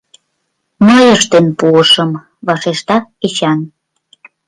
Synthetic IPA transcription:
məjəʃt̪enpuəʃəm | βɑʃeʃt̪ɑet͡ɕɑn

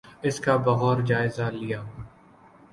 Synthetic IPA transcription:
ɪskabɐɣɔːɾd͡ʒaːɪzalɪjaː

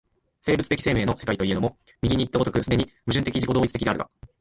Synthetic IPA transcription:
se̞ːbɯ̟t͡sɨ̥t̪ekʲi̥se̞ːme̞ːno̞se̞kait̪o̞ie̞no̞mo | mʲiɡʲiɲ̟iːt̪ːaot̪o̞kɯ̟sɨd̪eɲ̟imɯ̟ʑɨ̃nt̪e̞kʲiʑikooːit͡sɨ̥t̪ekʲid̪eaɾ̟ɡa̰

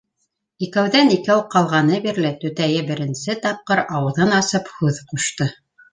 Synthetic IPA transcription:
ikæwðænikæwqɑlˠʁɑnɤbiɾlɘt̪ɵ̆t̪æjɘbɘ̆ɾɘ̆nsɘt̪ɑp̚qɤɾɑwɤ̆ðɤnɑsɤphʉðquʃt̪ɤ

